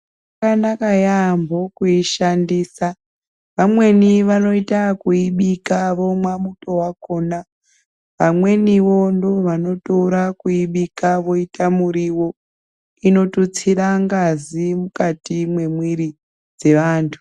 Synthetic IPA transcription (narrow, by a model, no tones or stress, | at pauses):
akanakajambo̞kuiʃandiːsa | ʋamwe̞niʋano̞itakuiɓikaʋo̞mwamuto̞wako̞ːna | ʋamwe̞niʋo̞ndo̞ʋano̞toɾakuiɓikaʋo̞itamuɾiwo̞ | ino̞tut͡siɾaŋɡazimukatimwe̞mwiɾi | d͡ze̞ʋaːntʰu̥